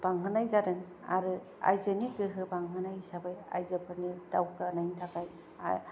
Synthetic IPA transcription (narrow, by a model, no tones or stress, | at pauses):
b̥aŋɦɯnajzadɯŋ | a̰ɾɯ | a̰jzɯniɡɯɦɯbaŋɦɯnajisabaja̰jzɯpʰɯnidawkanajntʰakaj | a̰